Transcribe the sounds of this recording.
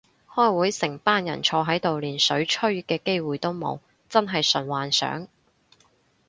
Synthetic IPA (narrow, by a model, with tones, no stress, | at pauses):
hɔː˥jwuː˨˥jsɪ˨˩ŋpaː˥njɐ̰˨˩nt͡ʃʰɔː˧ɦɐ˨˥jt̪o˨wliː˨˩nsɵ˨˥ɥt͡ʃʰɵ˥ɥkɛː˧ke˥jwuː˨jt̪o˥wmo̰˨˧w | t͡sɐ˥nɦɐ˨jsɵ˨˩nwaː˨nsœ̰ː˨˥ŋ